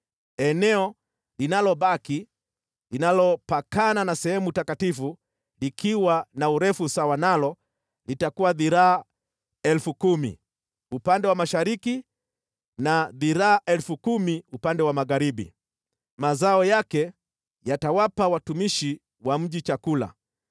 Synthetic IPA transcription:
ɛnɛɔ | linalɔɓaki | linalɔpakananasɛhɛmutakatifu | likʰiwanauɾɛfusawanalɔ | litakuwaðiɾaː | ɛlfukumḭ | upandɛwamaʃaɾiki | naðiɾaːʔɛlfukumiupandɛwamaɣaɾiɓḭ | mazaɔjakɛ | jatawapawatumiʃi | wam̩ʄit͡ʃakula̰

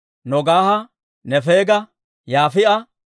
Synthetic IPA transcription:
nɔɡaːhɐ | nɛfeːɡɐ | jaːfɪʔɐ

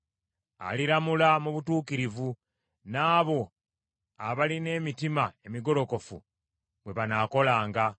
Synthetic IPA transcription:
a̰liɾamulamuβutuːkiɾivu | naːβo̞ | aβaline̞ːmitimae̞miɡo̞lo̞ko̞fṵ | βwe̞βanaːko̞laːŋɡa

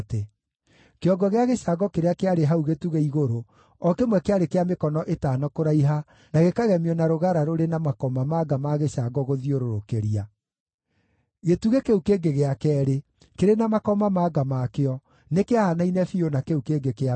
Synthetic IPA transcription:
te | keɔɡɔɣeaɣeɕaɡɔkeɾeakeaɾeɦauɣetuɣeiɣoɾo | ɔkemwɛkeaɾekeamekɔnɔʔetaːnɔkoɾaiɦa | naɣekaɣɛmiɔnaɾoɣaɾaɾoɾenamakɔmamaːɡamaɣeɕaɡɔɣoðioɾoɾokeɾia | ɣetuɣekeukeɡeɣeakɛːɾe | keɾenamakɔmamaɡamakeɔ | nekeaanainɛfionakeukeːɡekea

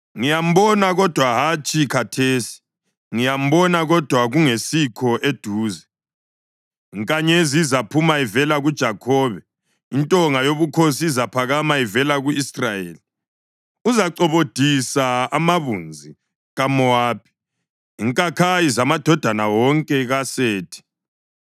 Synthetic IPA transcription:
ŋijam̩bɔnaɣɔd̥ʱwaɦat͡ʃʼikʰatʰeːsi̥ | ŋijam̩bɔnaɣɔd̥ʱwaɣuŋesikʰɔʔed̥ʱuːzɛ | iŋkʼaɲezizapʰumaivɛlaɣud̥ʒ̥ʱakʰɔːβɛ | intʼɔŋajoβukʰosiːzapʰaɣamaivɛlaɣuisrajeːli | uzaǀɔβod̥ʱisaamaβund͡zʱi | ɣamɔaːp̚ʰi̥ː | ŋkʼakʰajizamad̥ʱɔd̥ʱanawɔŋkʼɛɣaseːtʰi̥

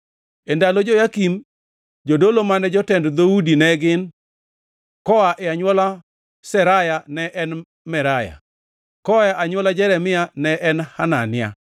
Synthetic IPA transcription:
ɛndalod͡ʒɔjakim | d͡ʒodolomanɛd͡ʒɔtɛndd̪oudinɛɡɪn | kɔaʔɛaɲwɔla | sɛɾajanɛʔɛn | mɛɾaja̰ | kɔaʔaɲwɔlad͡ʒɛɾɛmɪanɛʔɛnhananɪja̰

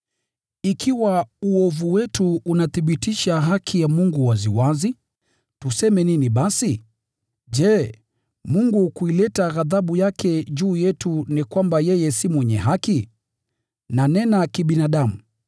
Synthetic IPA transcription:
ikʰiwauɔvuwɛtuunaθiɓitiʃaɦakʰijamuŋɡuwaziwazi | tusɛmɛniniɓasi | ʄɛ | muŋɡukuilɛtaɣaðaɓujakʰɛʄuːjɛtunikwambajɛjɛsimwɛɲɛɦaki | nanɛnakiɓinaɗamṵ

